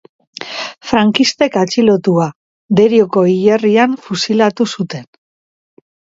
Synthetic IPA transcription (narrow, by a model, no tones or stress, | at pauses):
fɾaŋkist̪e̞kat͡ʃilo̞t̪ua | d̪eɾioko̞ijeriaɱfusilat̪usut̪e̞n